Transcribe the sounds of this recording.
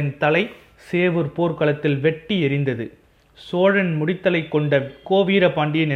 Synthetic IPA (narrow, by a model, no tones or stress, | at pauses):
nt̪ɐlɐɪ | seːʋɯɾpoːɾkɐɭɐt̪ːɪlʋɛʈːiɛɾɪnd̪ɐðɯ | soːɻɐnmʊɽɪt̪ːɐlɐɪkːɔɳɖɐkoːʋiːɾɐpaːɳɖijɐnɪ